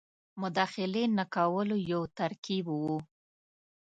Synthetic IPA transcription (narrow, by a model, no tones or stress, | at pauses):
mʊd̪ɑxɪlenakawəlojawt̪aɾkibwu